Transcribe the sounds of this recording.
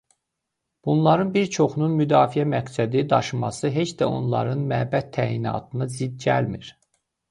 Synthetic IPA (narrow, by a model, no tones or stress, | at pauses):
b̥unlˠɑɾɯnbiɾt͡ʃʰo̞χununmyd̪ɑːfijæmæɡsæd̪id̪ɑʃɯmɑsɯɦe̞t͡ʃd̪æo̞̰nlˠɑ̰ɾɯnmæːbæt̪ʰːæːinɑ̰ːt̪ʰɯnɯzid̪̚ɟæ̰lmḭɾ̥